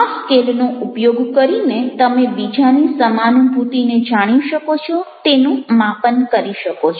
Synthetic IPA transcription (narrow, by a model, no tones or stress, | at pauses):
askelnoupjoɡkəɾinet̪əmebid͡ʒanisəmanũbʱut̪ined͡ʒaɽ̃iʃəkot͡ʃʰot̪enũmapənkəɾiʃəkot͡ʃʰ